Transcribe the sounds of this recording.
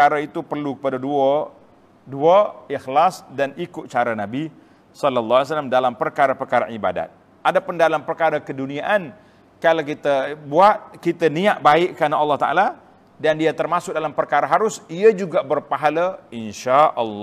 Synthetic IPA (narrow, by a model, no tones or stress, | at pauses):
əaɾait̪upərlukə̥padadua | duaɪxlasdanikʊt̪̚t͡ʃaɾanabi | sɔlɔlːɑas̬alːamdalampərkaɾapərkaɾaʔiba̰da̰t̪̚ | ʔadapʊndalampərkaɾakəduniaʔan | kalawkit̪abuat̪̚kit̪aniaʔbaɪʔkanaɑlːɑht̪a̰ʔa̰la | dandiat̪ərmasʊk̚dalampərkaɾaɦaɾʊsiad͡ʒuɡaʔbərpaɦalaɪnʃaʔɔlː